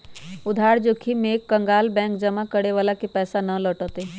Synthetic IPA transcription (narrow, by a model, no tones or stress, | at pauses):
ʊd̪ʱaːɽd͡ʒoːkʰimeːkːə̃ŋɡaːlbɛ̃ːŋkd͡ʒɐmakəɽeʋaːlakipɛːsanələʈət̪e